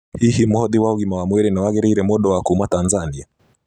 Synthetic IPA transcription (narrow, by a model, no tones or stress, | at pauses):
hihimhɔðiwauɣimawamwɛɾɛnawaɣɛɾiɾɛmɔɗɔwakumwatanzania